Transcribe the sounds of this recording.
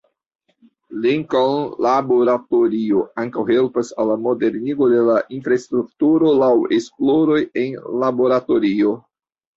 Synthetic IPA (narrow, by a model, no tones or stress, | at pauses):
liŋkanlabo̞ɾatoɾio̞aŋkawhe̞lpasalːamo̞de̞ɾniɡo̞de̞laʔinfɾaestɾuk̚tuɾo̞lawe̞splo̞ɾo̞je̞nlabo̞ɾato̞ɾio̞